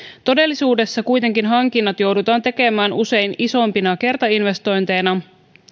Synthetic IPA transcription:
t̪o̞de̞lːisuːde̞sːɑkujt̪e̞ŋkinɦɑŋkinːɑt̪jo̞wdut̪ɑːnt̪e̞ke̞mæːnuse̞jniso̞mpinɑke̞rt̪ɑinʋe̞st̪o̞jnt̪e̞ːnɑ

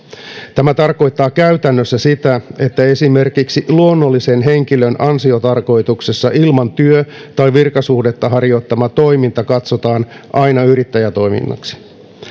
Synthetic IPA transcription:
t̪æmæt̪ɑrko̞jt̪ːɑːkæyt̪ænːøsːæsit̪æe̞t̪ːæe̞sime̞rkiksiluonːo̞lːise̞nɦe̞ŋkilønɑnsio̞t̪ɑrko̞jt̪ukse̞sːɑʔilmɑnt̪yøt̪ɑjʋirkɑsuhdet̪ːɑɦɑɾjo̞t̪ːɑmɑt̪o̞imint̪ɑkɑt̪so̞t̪ɑːnʔɑjnɑyɾit̪ːæjæt̪o̞jmḭnːɑ̰ksi̥

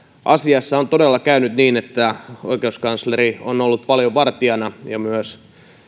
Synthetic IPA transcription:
ʔɑsiɑsːɑont̪odelːɑkæynyt̪niːnet̪ːæoikeuskɑnslerionolːut̪̚pɑljoʋɑrt̪iɑnɑjɑmyøs

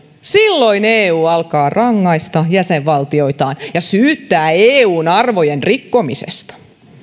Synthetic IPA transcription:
silːoineːuːɑlkɑːrɑŋːɑist̪ɑjæseʋʋɑlt̪io̞it̪ɑːnjɑsyːt̪ːæːeːuːnɑrʋojenrikːo̞misḛst̪ɑ̥

